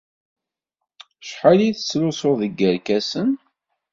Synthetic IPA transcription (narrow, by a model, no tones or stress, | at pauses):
ʃħaliθə̥t͡sːlʊsʊðəɡːəɾkæsən